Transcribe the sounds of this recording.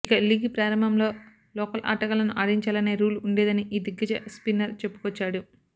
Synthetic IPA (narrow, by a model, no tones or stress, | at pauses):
ikɐliɡipɾaːɾɐmɐmlo̞ː | lɔːkɐlʔa̰ːʈɐkɐlɐnuʔaːɽiɲt͡ʃaːlɐne̞ːɾuːluɳɖeːd̪ɐniʔiːd̪iɡːɐd͡ʒɐ̰spinːɐɾt͡ʃe̞pːu̥kɔt͡ʃːaːɽu